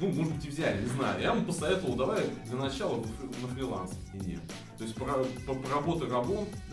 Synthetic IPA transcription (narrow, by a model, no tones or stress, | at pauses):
numo̞ʐɨd̪bɨtʲɪvzʲælʲɪnʲɪzna̰jʊ̰javɐmpəsɐvʲet̪əvəlˠd̪ɐvaɾʲd̪lʲənɐt͡ɕalˠənəfʲnəfɾʲɪlˠa̰nsəɪnʲḛ | t̪o̞ɪsʲt̚ʲpɾɐpəpɾɐbo̞t̪ʊɾɐbo̞t̪